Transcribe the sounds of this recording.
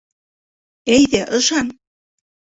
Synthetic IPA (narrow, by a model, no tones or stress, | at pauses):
æjðæʔɤ̆ʃɑn